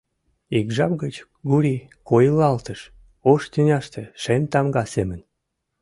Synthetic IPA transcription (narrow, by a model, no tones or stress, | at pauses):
ikʒɑp̚ɡət͡ɕ | ɡuɾʲikojlɑlt̪əʃ | oʃt̪ynʲɑʃt̪eʃenʲt̪ɑmɡɑsemən